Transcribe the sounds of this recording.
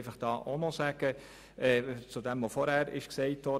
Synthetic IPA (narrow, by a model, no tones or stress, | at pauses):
ɪfɑχd̥ɑːʔonosæɡ̥ə | ɛːt͡sudɛmvofɔɾhæɾɪ̰ʃkseɪtʋɔ